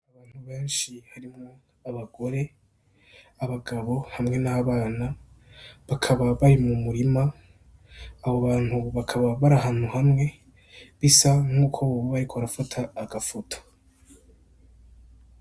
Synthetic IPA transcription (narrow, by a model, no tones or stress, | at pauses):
aβaːn̥huβe̞ːnʃihaɾimŋo̞ | aβaɡo̞ɾe̞ | aβaɡaβo̞hamŋe̞naːβaːna | βakʰaβaβaɾimumuɾima | βoβaːn̥huβakʰaβaβaɾaɦaːn̥huhamŋe̞ | βisaŋ̥uːkʰo̞βaɾikʰoaɾafatʰaːɡafotʰo̥